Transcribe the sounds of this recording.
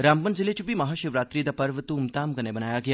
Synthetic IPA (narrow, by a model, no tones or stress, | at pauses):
ɾaːmpənd͡ʒilet͡ʃupimɐɦaːʃiʋɾaːt̪ɾiːd̪ɐpɐɾʋət̪uːmt̪aːmkɐnebənaːjaɡɐja